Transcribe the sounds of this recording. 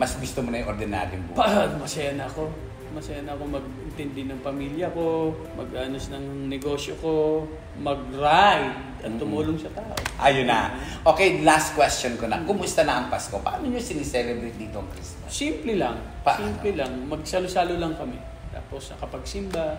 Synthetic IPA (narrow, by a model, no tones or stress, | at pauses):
mɐsɡʊst̪omonɐjŋʔoɾd̪ɪna̰ːɾjoŋbṵpɐʔamɐsɐjanɐɐko̞ | mɐsɐjanɐɐko̞mɐɡ̚ɪnt̪ɛnd̪ɪnɐŋpɐmiːljɐko | mɐ̰ɡʔaːnosnɐŋnɛɡo̞ːsjoko̞ | mɐɡ̚ɾajd̪̚ | ɐt̪ːʊmuːloŋsɐt̪aːʔo̰ʔajonɐ̰ | ʔoːkɛjlast̪̚kwɛst͡ʃonkonɐkʊmʊst̪ɐnɐɐŋpɐskopɐʔaːnoɲosɪnisɛlɛbɾɛt̪̚d̪iːt̪oɐŋkɾistosimplɛlɐŋ | paʔsimplɛlaŋmɐɡ̚sɐlosaːlolɐŋkɐmɛ | t̪a̰ːposːɐkɐpɐɡsɪmba